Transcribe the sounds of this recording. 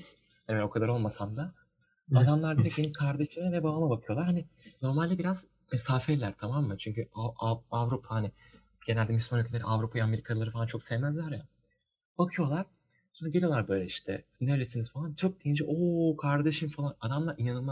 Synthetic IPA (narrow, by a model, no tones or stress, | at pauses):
hanveokʰad̪aɾo̞lˠmasand̪a | ad̪amlˠaɾd̪iɾɛc̚benimkʰaɾd̪eʃɯmavɛbabamabakʰɯjo̞lˠaɾhanɪno̞ɾmalʲd̪ɛbiɾaz̥ | mesaːfɛɾlʲæɾt̪ʰamamːɯt͡ʃʰyɲcʰyaaavɾupʰahanɪ | ɟ̥enælʲd̪ɛmyslʲmanøcʰelʲeɾiavɾupʰajame̞ɾikʰalˠaɾɯfalˠant͡ʃʰo̞ksɛvmæzlʲæɾja | b̥akʰɯjo̞lˠaɾ̥ | sonɾaɟe̞lʲijlˠaɾbø̞jlʲɛiʃt̪ʰɛ̰nelʲesinizfalˠant͡ʃʰo̞k̚d̪ejind͡ʒɛʔokʰaɾd̪eʃɯmfalˠanad̪amlˠaɾinanɯlˠma